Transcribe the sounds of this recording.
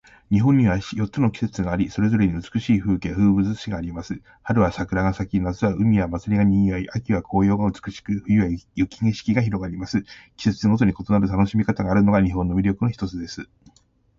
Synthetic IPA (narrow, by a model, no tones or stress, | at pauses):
ɲ̟iɦõ̞ɲ̟ːiβaɕijo̞t̪ːt͡sɨno̞kʲi̥se̞t͡sɨɡaːɾʲiso̞ɾe̞zo̞ɾe̞ɲ̟iɯt͡sɨ̥kɯ̟ɕiːɸɯ̟ːkeaɸɯ̟ːbɯ̟zɨɕiɡaːɾʲimasɨ | haɾɯ̟βasakɯ̟ɾaɡasakʲinazɨβaɯ̟mʲijamat͡sɨɾʲiɡaɲ̟ĩːjaiʔakʲiβakʰo̞ːjo̞ːɡaɯ̟t͡sɨ̥kɯ̟ɕi̥kɯ̟ɸɯ̟jɯ̟jajɯkʲiŋeɕi̥kʲiɡaçiɾo̞ɡaɾʲimasɨkʲi̥se̞t͡sɨ̥eŋo̞t̪̬o̞ɲ̟iko̞t̪o̞naɾɯ̟t̪ano̞ɕimʲikat̪aɡaːɾɯ̟no̞ɡaɲ̟iɦõnːo̞mʲiɾʲo̞kɯ̟noçi̥t̪o̞t͡sɨd̪e̞sɨ